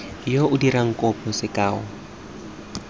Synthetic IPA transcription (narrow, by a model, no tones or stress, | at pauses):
joʊdiɾaŋ̩kʼɔpʰʼɔsɪkʼaːɔ